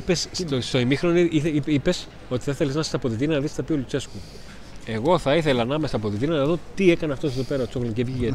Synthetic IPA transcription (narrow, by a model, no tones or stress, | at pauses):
pesst̪oimixɾoniiipes | o̞t̪i̥θθeleznɐsɐ̥sɐpo̞ðit̪iɾnɐnɐðist̪ɐpiolut͡se̞sku | e̞ɣo̞θɐiθe̞lɐnɐmesɐpo̞ðit̪inɐnɐðo̞t̪ie̞kɐneɐft̪oseðope̞ɾɐot͡soɣloɟevʝie